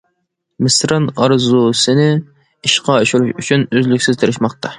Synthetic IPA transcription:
mɪsɾɑnɑɾzusɪnɪ | iʃqɑeʃuɾuʃyt͡ʃʰynøzlykʲsɪzt̪ʰɨɾɪʃmɑqt̪ʰɑ

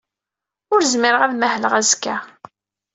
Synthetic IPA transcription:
ʊɾzmɪɾəʁæðmæhləʁæzkːæ

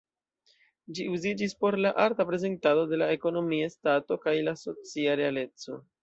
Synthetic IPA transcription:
d͡ʒiuzid͡ʒispo̞ɾlaʔaɾtapɾe̞ze̞ntado̞de̞lae̞ko̞no̞miastato̞kajlaso̞t͡siaɾe̞ale̞t͡so̞̰

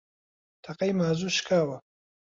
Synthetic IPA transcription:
t̪ʰɐqɐjmaːzuːʃkʰaːwɐ

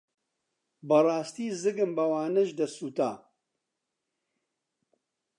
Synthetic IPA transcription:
bɐrɑːst̪iːzɨɡɨmbɐwaːnɐʒd̪ɐsuːt̪a̰ː

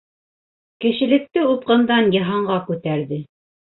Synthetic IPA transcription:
kɘ̆ʃɘ̆lɘ̆k̚t̪ɘup̚qɤ̆nd̪ɑnjɤ̆ɦɑɴɢɑkʉt̪æɾðɘ

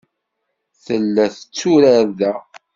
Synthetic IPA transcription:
θəlːæθət͡sːuɾæɾðæ

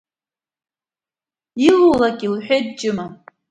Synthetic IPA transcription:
ilulakʼilħʷᶣed̚t͡ʃʼɪma

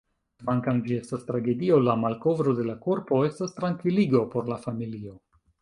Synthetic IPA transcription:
tvaŋkamd͡ʒie̞stastɾaɡe̞dio̞lamalko̞vɾo̞de̞lako̞ɾpo̞e̞stastɾaŋkviliɡo̞po̞ɾlafamilio̞

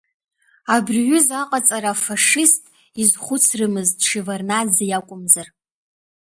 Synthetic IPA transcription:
abrɥʏzaqʼat͡sʼaɾafaʂɪstʼ | izχʷʊt͡sʰrɨmɨztʼʂivarnad͡zejakʷʼʊmzar

